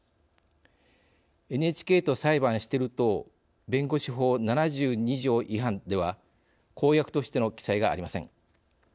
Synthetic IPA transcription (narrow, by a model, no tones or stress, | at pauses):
e̞nɯe̞t͡ɕi̥kʲe̞ːt̪o̞saibãɰ̃ɕi̥t̪e̞ɾɯ̟t̪o̞ | bẽ̞ŋɡo̞ɕiɦo̞ːnanaʑɨːɲ̟iʑo̞ːʔiɦãnd̪e̞β̞a | kʰo̞ːjakɯ̟̥t̪o̞ɕi̥t̪e̞no̞kʲi̥saiɡa̰ːɾʲimasẽ̞ŋ